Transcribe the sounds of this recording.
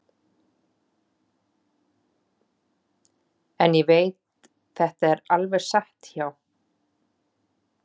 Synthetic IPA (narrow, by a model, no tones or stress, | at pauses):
ɛnjɛveːjt̪ | θɛht̪aɛɾalvɛɾ̥saht̪çaːw